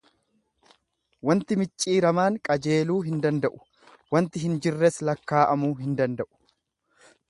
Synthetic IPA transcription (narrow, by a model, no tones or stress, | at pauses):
wɐnt̪ɪmɪt͡ʃʼːiːɾɐmaːŋkʼɐd͡ʒe̞ːluːɦɪnd̪ɐnd̪ɐʔʊ̥ | wɐnt̪ɪɦɪnd͡ʒɪrːɛslɐkːaːʔɐmuːɦɪnd̪ɐnd̪ɐʔʊ̥